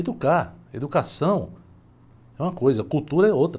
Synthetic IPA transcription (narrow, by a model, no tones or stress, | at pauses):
ed̪ukaɾḛd̪ukasɐ̃w̃ | ɛũmɐkojzɐkut̪uɾɐɛowt̪ɾ